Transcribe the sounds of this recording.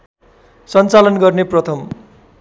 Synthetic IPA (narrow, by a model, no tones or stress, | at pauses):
sʌnt͡salʌnɡʌrneprʌt̪ʰʌm